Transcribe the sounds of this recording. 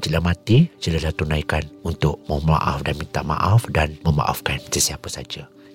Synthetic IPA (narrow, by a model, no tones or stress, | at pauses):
t͡ʃəlamãt̪it͡ʃəlalat̪unajkanunt̪ʊʔ̚məma̰ʔafdanmint̪aʔma̰ʔafdanməma̰ʔa̰fkansəsiapasad͡ʒa